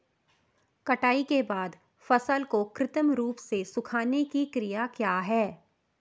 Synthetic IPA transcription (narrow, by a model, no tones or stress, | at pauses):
kɐʈaːikebaːd̪ | fɐsəlkokɾɪt̪əmɾuːpsesʊkʰaːnekikɾijakjaːɦɛː